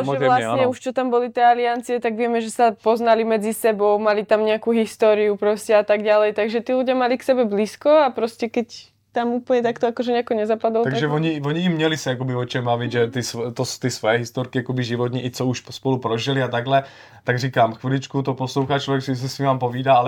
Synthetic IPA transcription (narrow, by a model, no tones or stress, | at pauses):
ʒɛlasɲɛuʃt͡ʃɔt̪ambɔlit̪jɛaliant͡siɛt̪aɡʋɪɛmɛʒɛsapɔznalimɛd͡zisɛbɔʊmalit̪amɲɛakuːɦist̪ɔɾiupɾɔscɛat̪aɡɟalɛjt̪aɡʒɛt̪iːluɟɪamaliksɛbɛbliːskɔapɾɔscɛkɛc | t̪amupl̩ɲɛt̪akt̪ɔakɔʒɛɲɛakɔɲɛzapad̪ɔlt̪aɡ̪ʒɛvoɲivɔɲiːmɲɛlisɛjakobiɔt͡ʃɛmbavid̪ʒɛt̪ist̪ost̪isʋojɛɦist̪oɾkijakobiʒiʋɔt̪ɲiʔit͡souʃpspolupɾɔʒiliat̪aɡlɛ | t̪aɡriːkaːmxʋilit͡ʃkut̪oposluwxat͡ʃt͡ʃɔɛksis̬ɛsivaːmpoviːdaalɛ